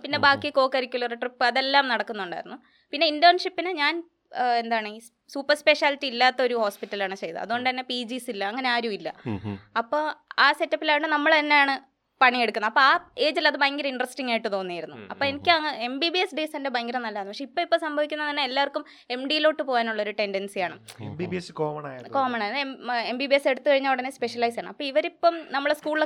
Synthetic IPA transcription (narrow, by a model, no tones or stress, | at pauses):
pinːe̞baːkːiko̞ːkːɐɾikʲːulɐreʈripːɨɐðe̞lːaːmnɐɽɐkːunːuɳɖa̰ːjiɾunːu | pinːe̞indoːnʂipːinɨɲaːn | end̪aːɐɳɨiː | suːpːɐrspe̞ʂaːlitːiilːaːt̪ːɐo̞ɾuho̞ːspitːɐlaːɳɨt͡ɕe̞jɐɨ̰ɐ̰ðuɣo̞ɳɖɨt̪ɐnːepiːd͡ʑisilːɐɐŋːɐne̞aːɾjumilːɐ̰ɐpːoːaːse̞tːɐpːilaːjʈːɨnɐmːɐɭt̪ɐnːe̞jaːɳɨ | pɐɳieɽukːunːɐpːoaːe̞ːd͡ʑilɐðɨbɐjŋɡɐɾɐiɳɖrɐsʈiŋːaːjiʈːɨt̪o̞ːnːijiɾunːṵɐ̰pːoːenikʲːŋːɐembibiesɖisɐndebɐjŋɡɐɾɐmnɐlːɐðːnupɐʂeipːoipːoːsɐmbʱɐʋikʲːunːɐt̪ɐnːe̞elːaːʋɐrkːum | e̞mɖijilo̞ːʈːɨpo̞ːjaːnuɭːɐo̞ɾuʈe̞ndensijaːɳɨ̰embibieskoːmɐnaːjko̞ːmɐɳaːjembibiese̞ɽut̪ːɨkɐɻiɲːaːuɽɐnːespe̞ʂɐlɐjsaːɳɨɐpːoːiʋɐɾipːomnɐmːɐɭskuːɭil